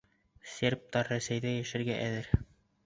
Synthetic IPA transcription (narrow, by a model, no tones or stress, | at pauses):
sʲeɾp̚t̪ɑɾæsæjðæjæʃɘ̆ɾɡæʔæðɘɾ